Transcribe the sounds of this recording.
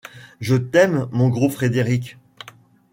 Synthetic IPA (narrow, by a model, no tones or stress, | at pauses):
ʒət̪ɛmːɔ̃ɡʁofχed̪eʁikʲ